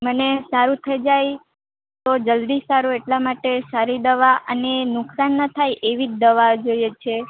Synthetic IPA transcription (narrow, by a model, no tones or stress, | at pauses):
mənesaɾũt̪ʰəjd͡ʒaj | t̪od͡ʒəld̪isaɾueʈlamaʈesaɾid̪əʋaʔənenʊksanːət̪ʰajʔeʋid͡ʒd̪əʋad͡ʒojet͡ʃʰe